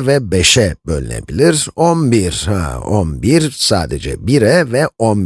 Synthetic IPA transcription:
vɛbɛʃɛbølʲynḛbilʲiɾonbiɾha̰onbiɾsaːd̪ɛd͡ʒɛ̰biɾɛvɛonb

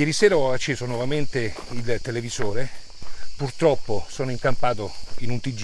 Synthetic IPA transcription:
jɛːɾisɛːɾaɔat͡ʃːeːzonwɔvament̪e | ilt̪elevizoːɾe | purt̪ɾɔpːosoːnoiŋkampaːt̪oinunt̪id͡ʒ

